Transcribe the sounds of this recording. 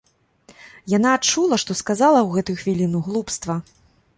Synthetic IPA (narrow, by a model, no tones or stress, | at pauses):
janaːt͡ʂulˠɐʂt̪ɔskazalˠɐwɣɛt̪ujuxvʲilʲinuɣlˠupst̪vɐ